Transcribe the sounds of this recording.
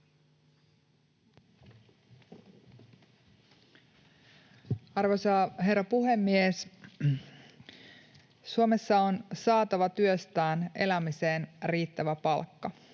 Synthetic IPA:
ɑrʋosɑːɦe̞rːɑpuhe̞mːies | suome̞sːɑonsɑːt̪ɑʋɑt̪yøst̪æːnʔelæmise̞ːnriːt̪ːæʋæpɑlkːɑ

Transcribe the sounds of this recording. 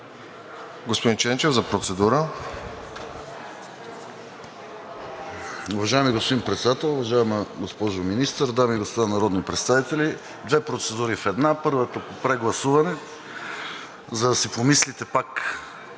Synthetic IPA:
ɡospod̪int͡ʃɛnt͡ʃɛvzɐpɾot̪sɛd̪uɾə | ʊvɐʒajɛmiɡospod̪inpɾɛt̪sɛd̪at̪ɛlˠʊvɐʒaɛməɡospɔʒominist̪əɾd̪amiɡospod̪anɐɾɔd̪nipɾɛt̪st̪avit̪ɛlʲi | d̪vɛpɾot̪sɛd̪uɾifɛd̪napɤɾvət̪əpopɾɛɡlˠɐsuvɐnɛ | zɐd̪ɐsipomislit̪ɛpak

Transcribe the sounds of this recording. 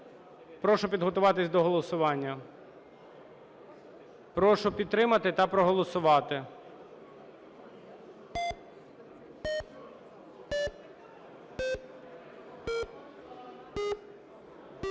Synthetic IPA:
pɾɔʃʊpʲid̪ɦɔt̪ʊʋɑt̪ɪsʲd̪ɔɦɔlˠɔsʊʋɑnʲːɐ | pɾɔʃʊpʲid̪t̪ːɾɪmɐt̪ɪt̪ɐpɾɔɦɔlˠɔsʊʋɑt̪ɪ

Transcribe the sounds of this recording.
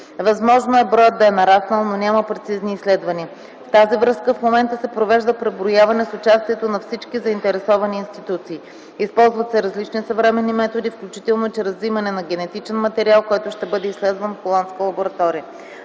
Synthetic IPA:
vɐzmɔʒnoɛbɾɔjəd̪ːɐɛnɐɾasnəlˠnonʲaməpɾɛt̪sizniːslɛd̪vɐniə | ft̪azivɾɤskəfmomɛnt̪əsɛpɾovɛʒd̪əpɾɛbɾojavɐnɛsʊt͡ʃast̪iɛt̪onɐfsit͡ʃkizɐint̪ɛɾɛsɔvɐniːnst̪it̪ut̪siː | ispɔlˠzvɐt̪sɛɾɐzlit͡ʃnisɐvɾɛmɛnːimɛt̪od̪ifklʲut͡ʃit̪ɛlˠnot͡ʃɛɾɐzvimɐnɛnɐɡʲɛnɛt̪it͡ʃɛnmɐt̪ɛɾialˠkɔjt̪ʊʃt̪ɛbɤd̪ɛislɛd̪vənfxolˠant̪skəlˠɐboɾɐt̪ɔɾiə

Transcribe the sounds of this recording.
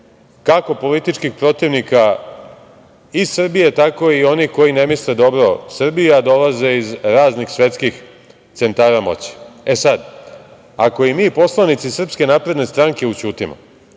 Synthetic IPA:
kako̞po̞lit̪it͡ʃkixpɾo̞t̪iʋnika | izsr̩bije̞t̪ako̞io̞niko̞jine̞misled̪o̞bɾosr̩bijad̪o̞laze̞izɾaːznixsʋe̞t̪skix | t̪se̞nt̪aːɾamo̞̰t͡ɕi̥e̞sad̪ | ako̞imiːpo̞slˠanit̪sisr̩pske̞naːpɾed̪ne̞st̪ɾaŋke̞ut͡ɕuːt̪imo̰

